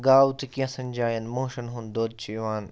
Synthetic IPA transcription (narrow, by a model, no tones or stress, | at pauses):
ɡaːwt̪ʰikiːɐ̃sɐ̃ɲd͡ʑaːjɐnmoːʃənɦũnd̪oːd̪̚t͡ɕʰiʋaːn